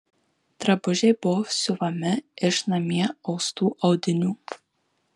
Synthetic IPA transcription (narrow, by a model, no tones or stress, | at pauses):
t̪ɾɐbʊʒʲɛɪbʊsʲʊʋɐmʲɪɪʃnɐmʲiɛɒʊst̪uːʔɐʊd̪ʲɪnʲuː